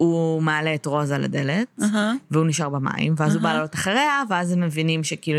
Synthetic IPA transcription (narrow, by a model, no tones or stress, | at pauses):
umealeːtʁo̞zala̰de̞letveuniʃaʁbama̰ḭmveazubalalotaχaʁeaveazhemːevinimʃekiilu